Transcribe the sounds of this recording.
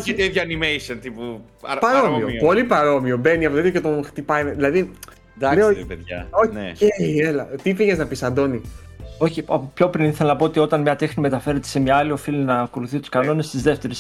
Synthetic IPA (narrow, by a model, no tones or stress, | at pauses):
et̪eiðʝɐɐnimejsont̪ipu | pɐɾomiopo̞lipɐɾo̞miobe̞niɐpoit̪jocet̪o̞xt̪ipɐjmðilɐði | d̪ɐpeðʝɐ̰oneejelɐt̪ifiɣeznɐpisɐnd̪o̞ni | o̞çiɐpço̞pɾiniθelɐnɐpo̞ot̪io̞t̪ɐnmɲɐt̪e̞xnime̞t̪ɐfe̞ɾe̞t̪ese̞mɲɐɐlio̞filinɐːko̞luθit̪u̥skɐno̞ne̞st̪izðe̞ft̪e̞ɾis